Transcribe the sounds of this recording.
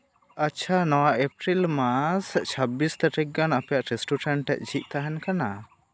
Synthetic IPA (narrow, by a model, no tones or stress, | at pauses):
at͡ʃʰanɔwaʔepɾilmast͡ʃʰəbist̪aʈik̚ɡanapɛjaʔɾisʈuʈɛɳʈɛ̰ʔ̚d͡ʒit̪̚t̪aɦɛnkana